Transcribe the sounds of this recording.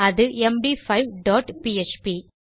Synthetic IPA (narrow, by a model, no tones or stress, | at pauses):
ɐðɯʔɛmɖifɐɪʋɖɔːʈpiːɛt͡ʃpi